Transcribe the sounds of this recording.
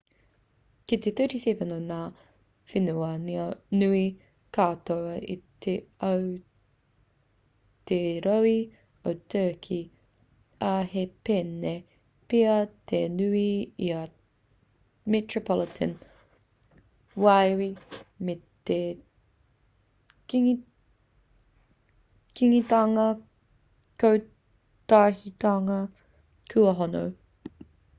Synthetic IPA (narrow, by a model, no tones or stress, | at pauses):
kit̪eθəːtisɛvənonaː | finuɐninʉi | kʰaːt̪oɐʔḭt̪ʰeɐw | t̪eɾowi | ot̪ʰəːkʰi | ɐhepene | piɐt̪ʰenʉiiɐ | mɛtɹopʰɔlɪt̪ʰə̰n | wajwimet̪e | kiŋi | kiŋitɐŋɐ | kow | t̪aːhit̪aŋɐ | kʰʉɐɦono̰w